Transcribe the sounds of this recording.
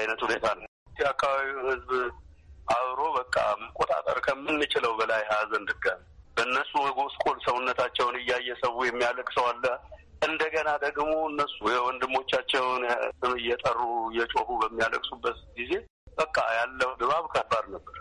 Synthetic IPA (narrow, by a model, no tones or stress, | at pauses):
ajnət̪hunet̪ʰanə | akːaβaβiwhɨzb | ʔaβɾo̞bəkʼːa̰məkʼot̪ʼa̰t̪ʼə̰ɾkʰəmɨnːɨt͡ʃʼɪləwbəlajhazənd̪ɨɡan | bəɨnːəsːuwjɡoskʼolsəwunːət̪ʰat͡ʃːɛwnɨjːajːɛsəwːujɛmːijaləkʼsəwalːəʔɨnd̪əɡənad̪əɡmo̞ɨnːəsːujɛwɔnd̪ɨmːo̞t͡ʃːat͡ʃːɛwnsɨmɨjːɛt̪ʼərːujɛt͡ʃʼohubəmːijaləkʼsubːət̪ɡize̞ | bəkʼːa̰jalːəd̪ɨβaβkʰəbaɾnəbːəɾ